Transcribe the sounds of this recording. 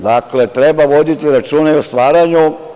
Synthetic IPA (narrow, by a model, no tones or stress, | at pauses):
d̪akle̞t̪ɾebaʋo̞d̪it̪iɾat͡ʃuːneost̪ʋaːɾaɲu